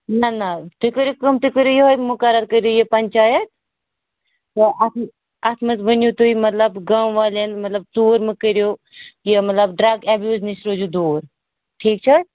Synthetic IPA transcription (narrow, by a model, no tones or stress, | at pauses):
nɐnɐt̪ukəɾjokɐmt̪ukəɾjojeɦojmʊkɐɾɐt̪̚kəɾjoːjepɐnʲt͡ʃaːjɐt̪̚ | t̪ɐɐt̪ʰ | ɐt̪ʰmɐt͡sʋənjot̪uimɐt̪lɐbɡawʋaːlenmɐt̪lɐb̚t͡soːɾmɨkəɾjoː | jɐmɐt̪lɐbɖɾɐɡɛbjuːznisɾoːd͡ʒud̪oːɾ | ʈʰiːk̚t͡ʃʰɐ